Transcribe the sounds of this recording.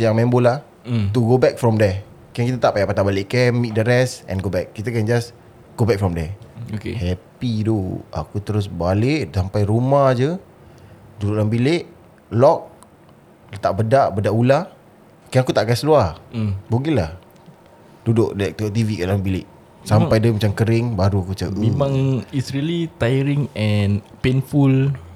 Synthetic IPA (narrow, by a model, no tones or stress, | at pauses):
səjaŋmɛmbolah | t̪uɡobɛk̚fɾɔmdɛ | kɛnkit̪at̪aʔpajaʔpat̪abalɪʔkɛmːit̪̚dəɾɛsɛ̰̃nɡobɛkːit̪akɛnd͡ʒas | ɡobɛk̚fɾɔmdɛokḛhɛpidua̰kut̪əɾʊs̬baleʔsampajɾumahd͡ʒə | dudʊʔlambileʔ | lɔk̚ | lət̪aʔbədaʔbədaʔula | kɛakut̪aʔɡasluabuɡilah | dudʊʔdəɛk̚t̪oʔt̪ivikaʔlambilɪʔ | sampajdəmat͡ʃaŋkəɾɪŋbaɾuakut͡ʃəʔimãŋisɾilit̪ajəɾiŋɛnpenful